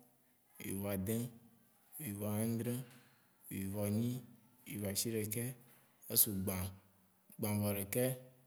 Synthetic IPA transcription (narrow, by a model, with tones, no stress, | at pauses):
ḭ˨vɔ˨a˨d̪ẽ˦˨ | i˨vɔ˨a˨ã˦d̪ɾẽ˦˨ | i˨vɔ˨ɲĩ˦ | ḭ˨va˨si˦ɖɛ˨kɛ˦ | e˦su˨ɡ͡bã˨ | ɡ͡bã˨vɔ˨ɖɛ˨kɛ˦